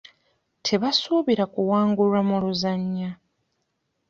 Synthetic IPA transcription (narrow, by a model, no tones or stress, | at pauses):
tʰe̞βasuːβiɾakuwaːŋɡulamuluzaɲːa